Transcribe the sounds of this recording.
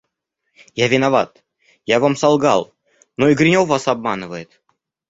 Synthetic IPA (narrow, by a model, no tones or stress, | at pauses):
javʲɪnavat̪ | javamsɑlˠɡɑ̰lˠ | noiɡɾʲɪnʲovasabmɑnɨvəjɪt̪